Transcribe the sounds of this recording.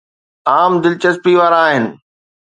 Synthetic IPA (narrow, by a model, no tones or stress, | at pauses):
aːmd̪ɪlt͡ɕɐspiʋaːɾaːɦɪnɪ̆